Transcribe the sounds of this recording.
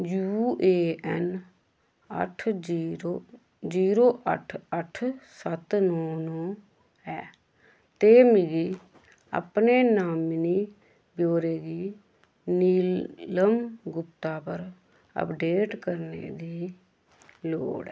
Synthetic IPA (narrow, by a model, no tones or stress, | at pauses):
d͡ʒuːeːɛn | ə̰ʈʰːo | d͡ʒiːɾoːʔə̰ʈʰəʈʰsət̪nɔːnõː | ɛː | t̪eːmiɡiː | ə̰pneːnaːmniː | bjoːɾeːɡiː | niːləmɡʊpt̪aːpəɾ | ə̰pɖeːʈkəɾnḛːd̪iː | lo̰ːɽɛː